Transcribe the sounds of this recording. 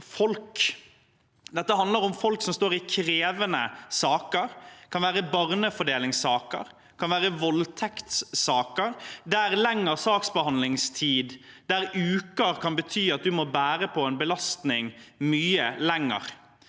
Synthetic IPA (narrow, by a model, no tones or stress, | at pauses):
fɔlk | d̪ɛt̪ːəɦɑnd̪ləɾʊmfɔlksɔmst̪oːɾɪkʰɾeːʋənəsɑːkəɾkʰɑnʋæːɾəbɑʁnəfɔɖeːlɪŋsɑːkə̰ɾ | kʰɑnʋæːʁəʋɔlt̪ʰɛkt̪ssɑːkəɾd̪æɾlɛŋːəʁsɑːksbəhɑnlɪŋst̪ʰiːd̪d̪æɾʉːkəɾkʰɑnbət̪ʰyːɑt̪̚d̪ʉmɔbæːɾəpʰɔɛnbəlɑst̪nɪŋmyːəlɛŋːə̰ʁ